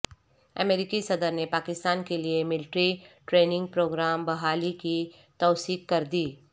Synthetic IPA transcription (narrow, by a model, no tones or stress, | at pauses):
ə̰meːɾɪkisɐd̪əɾnepaːkɪst̪aːnkeliemɪlɪʈɾiʈɾeːnɪ̃ŋɡ̚pɾoːɡɾaːmbɐɦaːliki | t̪ɔːsiːkkɐɾd̪iː